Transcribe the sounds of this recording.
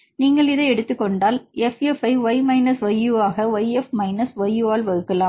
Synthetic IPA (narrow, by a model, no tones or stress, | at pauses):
niːŋɡɐɭɪðɐɪɛɽɯt̪ːɯkːɔɳɖaːlɛfɛfɐɪʋɐɪmɐɪnɐsʋɐjːuaːɣɐʋɐɪɛfmɐɪnɐsʋɐjːuːaːlʋɐɣɯkːɐlaːm